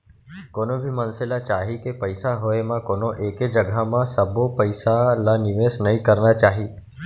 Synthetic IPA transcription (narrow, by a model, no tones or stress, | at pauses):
koːnõbʱimənselat͡ʃaːɦikepəɪsaɦoemãkoːnoʔeːked͡ʒəɡʱamãsəbopəɪsalanɪʋeːsnəɦĩkəɾnat͡ʃaːɦiː